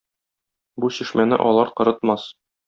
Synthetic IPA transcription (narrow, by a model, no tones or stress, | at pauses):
buɕiʃmænɘ̰ʔɒlˠɑɾqɤ̆ɾɤ̆t̪̚mɑs